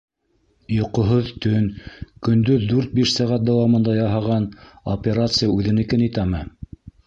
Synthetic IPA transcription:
jŏqŏɦoðt̪ɵnkɵ̆nd̪ɵðːʉɾt̪̚biʃsɑʁæt̪̚d̪awɑmɤ̆nd̪ɑjɑɦɑʁɑnopʲeɾat̪sɨjaʉðɘ̆nɘ̆kɘnĭt̪æmɘ

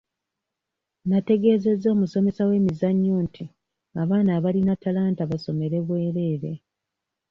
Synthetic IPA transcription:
nate̞ɡe̞ːze̞zo̞ːmuso̞me̞sawe̞ːmizaɲːoːntʰi | aβaːnaːβalinatalaːntaβaso̞me̞ɾe̞βwe̞ːɾe̞ːɾe̞

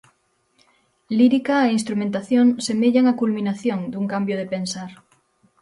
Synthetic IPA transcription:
liɾikaeinst̪ɾumẽnt̪aθjõŋsemeʎaŋakulmĩnaθjõŋd̪uŋkambjoðepensaɾ

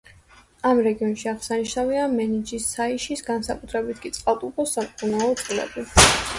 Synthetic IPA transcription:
amɾɛɡiɔnʃiaʁsaniʃnaviamɛnid͡ʒisːaiʃisɡansakʼut̪ʰɾɛbit̪ʰkʼit̪sʼqʼalˠt̪ʼupʰɔsːamʼkʼunaɔt̪sʼqʼlɛ̰bi

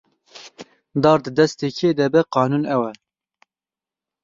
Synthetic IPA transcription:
d̪ɑːɾd̪ɨd̪ɛst̪eːkʰeːd̪ɛbɛqɑːnuːnɛwɛ

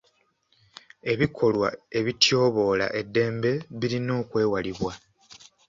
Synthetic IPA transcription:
e̞βikʰo̞lwae̞βitjo̞ːβo̞ːla̰ʔe̞dːe̞ːmbe̞βiɾino̞ːkwe̞ːwaliβwa

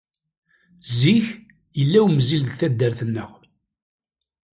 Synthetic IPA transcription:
ziç | jəlːæwmzilðəɡθæd̪ːəɾθənːəʁ

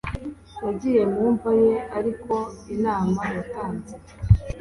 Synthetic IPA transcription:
jaɟije̞muːɱvaje̞aɾiko̞inaːmajataːnze

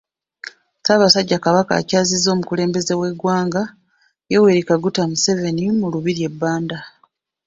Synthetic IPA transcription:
taβasaɟːakaβaka̰ːcaːzizːo̞ːmukule̞ːmbe̞ze̞we̞ɡwaːŋɡa | jewe̞ːɾikaɡutamuse̞ve̞nimuluβiɾje̞bːaːnda

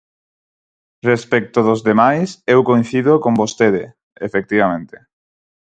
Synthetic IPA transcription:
respɛk̚t̪oðozðemajsewkoj̃nθiðokombost̪eðe | efek̚t̪iβ̞amẽnt̪e̥

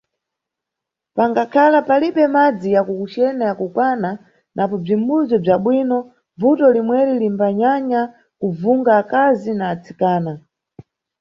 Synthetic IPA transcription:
paŋɡakʰalapaliɓɛmad͡zijakukut͡ʃɛnajakukwana | nʔapɔb͡ʐimbuzɔb͡ʐaɓwinɔ | vutɔlimwɛɾilimbaɲaɲa | kuvuŋɡaːkazinaːt͡sikaːna

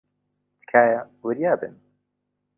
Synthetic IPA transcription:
t̪kʰaːja | wəɾjaːbɨ̰n

